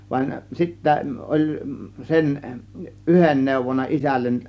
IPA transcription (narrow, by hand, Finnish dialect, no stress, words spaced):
ʋɑin sitːæ ʔolʲ sen ʔyhen neˑuʋonːɑ isælːen